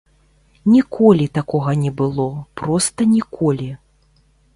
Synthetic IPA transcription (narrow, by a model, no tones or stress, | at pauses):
nʲikʰɔlʲit̪akɔɣɐnʲɛbɨlˠɔpɾɔst̪ɐnʲikʰɔlʲi